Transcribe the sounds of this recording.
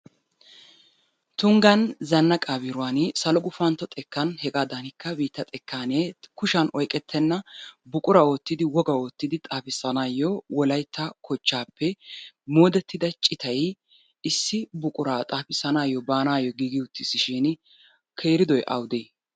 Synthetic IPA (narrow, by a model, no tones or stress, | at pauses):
t̪ʊŋɡɐnzɐnːɐkʼaːbɪɾʊaːnsɐlɔɡʊfɐnt̪ːɔt̪ʼɛkːɐnhɛɡaːd̪ɐnɪkːɐbiːt̪ːɐt̪ʼɛkʰːaːneːkʊʃɐnʔɔjkʼɛt̪ʰːɛnːɐbʊkʼʊɾɐwɔt̪ːɪd̪ɪwɔɡɐot̪ːɪd̪ɪt̪ʼaːfɪsɐnaːjɔwɔlɐjt̪ʰːɐkʰɔt͡ʃːaːpːɛmoːd̪ɛt̪ːɪd̪ɐt͡ʃʼɪt̪ʰɐj | ɪsːɪbʊkʼʊɾaːt̪ʼaːfɪsːɐnaːjɔbaːnaːjɔɡiːɡɪʊt̪ːɪsɪʃɪn | kʰe̞ːɾɪd̪ɔjʔɐ̰wd̪eː